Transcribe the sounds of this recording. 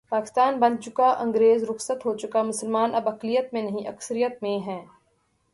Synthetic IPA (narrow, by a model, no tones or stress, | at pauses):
paːkɪ̥st̪aːnbɐ̃nt͡ʃʊkaʔɐ̃ŋɡɾeːzɾʊxsət̪ɦot͡ʃʊkamʊsəlmaːnʔɐbɐklijət̪mẽnɐɦĩʔɐksəɾijət̪mẽɦɛ̃ː